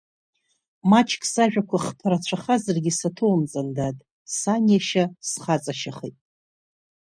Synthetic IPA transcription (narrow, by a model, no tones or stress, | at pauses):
mat͡ʃʰkʰʼsaʒᶣakʷʰaχpʰɨɾat͡ɕʷʰaχazɨrɡʲisatʰowmt͡sʼandatʼ | sanjaʃasχat͡sʼaʃaχijtʼ